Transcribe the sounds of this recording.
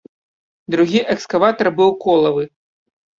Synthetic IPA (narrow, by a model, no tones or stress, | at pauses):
d̪ɾuɣʲiʔɛkskavat̪ɐrbɨwkɔlˠɐvɨ